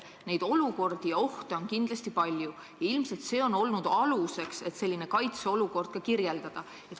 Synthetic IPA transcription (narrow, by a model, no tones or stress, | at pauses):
ne̞jd̪̥o̞luko̞rd̪̥ijɑo̞ht̪eo̞nkind̪lɑst̪ipɑlʲju | jɑilmse̞lt̪se̞ːo̞no̞lnud̪̥ɑluse̞kse̞t̪se̞lʲːine̞kɑjt̪seo̞luko̞rd̪̥kɑkirje̞ld̪̥ɑd̪̥ɑ | e